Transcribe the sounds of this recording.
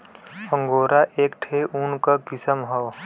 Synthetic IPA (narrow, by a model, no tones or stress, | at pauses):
ə̃ŋɡoːɾaʔeːkʈʰeʔunkəkɪsəmɦɔː